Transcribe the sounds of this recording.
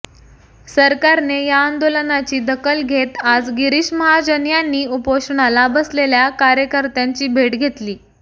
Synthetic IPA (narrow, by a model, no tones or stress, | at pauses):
səɾkaɾnejaːnd̪olənat͡ɕiːd̪əkəlɡʱet̪ad͡zɡiɾiɕməɦad͡ʑənjanːiːupoɕuɳalabəsleljakaɾjəkəɾt̪jaɲt͡ɕiːbʱeʈɡʱet̪liː